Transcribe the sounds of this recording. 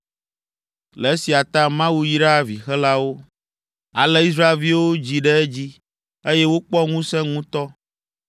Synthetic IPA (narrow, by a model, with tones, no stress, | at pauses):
lɛ˨e˦si˨a˨t̪ã˦mã˦wu˦ji˦ɖa˦˨vi˨xɛ˦la˦wo˦ | a˨lɛ˦i˦s̬ɾa˦e˨lvi˦wo˦d͡ʑi˨ɖɛ˦ɛ˦d͡ʑi˦ | e˦je˦wo˦k͡pɔ˦ŋũ˦sɛ̃˦ŋũ˦t̪ɔ˦